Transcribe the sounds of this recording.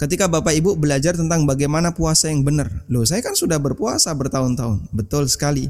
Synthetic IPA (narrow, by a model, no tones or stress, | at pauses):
kət̪ikabapaibubəlad͡ʒart̪ənt̪aŋbaɡajmanapuasajaŋbənərlos̬ajakansudahbərpuasabərt̪aʊnt̪aʊnbət̪ʊlsə̥kali